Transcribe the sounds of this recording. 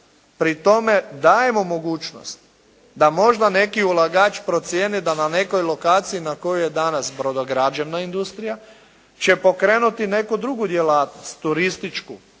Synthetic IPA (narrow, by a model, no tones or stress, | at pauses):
pɾit̪o̞me̞d̪aːje̞mo̞mo̞ɡuːt͡ʃno̰st̪ | d̪amo̞ʒd̪ane̞kiulˠaɡat͡ʃpɾo̞t̪sjeːned̪anane̞ko̞jlo̞kaːt̪sijinako̞jujed̪anasbɾo̞d̪oɡɾad͡ʒeʋnaind̪ust̪ɾija | t͡ɕe̞po̞kɾe̞ːnut̪ine̞kud̪ɾuɡud̪jelaːt̪nost̪ːuɾist̪it͡ʃkṵ